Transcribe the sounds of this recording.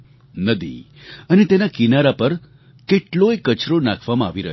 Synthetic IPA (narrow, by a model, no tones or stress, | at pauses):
nəd̪ḭ | ənet̪enakinaɾapəɾ | keʈloekət͡ʃɾonakʰʋamãaʋiɾə̰ɦ